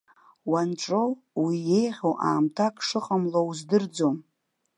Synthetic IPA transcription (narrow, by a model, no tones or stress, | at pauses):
wanʈ͡ʂʼow | wije̞jʁʲowʔa̰ːmtʰakʼʂɨqʼəmlouzdɨrd͡zom